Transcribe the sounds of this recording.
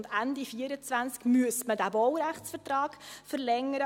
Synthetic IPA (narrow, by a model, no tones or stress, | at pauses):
ndændifiəɾət͡sʋvænt͡skmyəsmədæbɔwɾæχtt͡sfətrɑːɡ̥fəɾlɛŋəɾə